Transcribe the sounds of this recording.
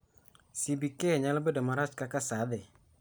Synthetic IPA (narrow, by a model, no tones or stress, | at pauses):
sibikeɲalabedamaɾaskakasad̪ɛ